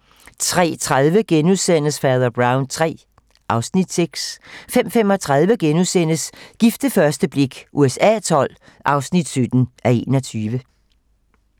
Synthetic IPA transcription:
t͡sʰʁɛ̰ːt͡sʰʁaðˠʋəɡ̥enuðˠsen̰əsfæɐðˠɐb̥ʁɑ̈ʊnt͡sʰʁɛ̰ː | ʔɑ̈ʊsnid̥seɡ̥sfem̰fem̰ɒ̽t͡sʰʁɑ̈ð̞ˠʋəɡ̥enuðˠsen̰əsɡ̥ifd̥əfɶɐsd̥əb̥le̝ɡ̥ʔuesɛ̰ːt͡sʰɒ̽l̰ | ʔɑ̈ʊsnid̥sød̥n̩ʔæe̝nɒ̽t͡sʰyːʋə

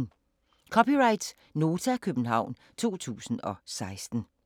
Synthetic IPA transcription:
kʰɒ̽piʁɑ̈ɪd̥s | no̝ːt͡sʰækʰøb̥n̩ɦɑ̈ʊ̰n | t͡sʰo̝̰ːt͡sʰṵːsn̩ɒ̽sɑ̈ɪsd̥n̩

